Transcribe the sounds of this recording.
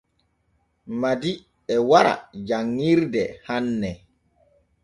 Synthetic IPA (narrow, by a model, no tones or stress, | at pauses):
madi | ɛwaɾa̰d͡ʒaŋːiɾdɛhanːɛ